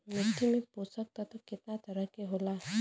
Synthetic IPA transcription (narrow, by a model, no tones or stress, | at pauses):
mɪt̪imẽpoːsək̚t̪at̪okɪt̪nat̪ɐɾəɦkeɦoːlaɦɛ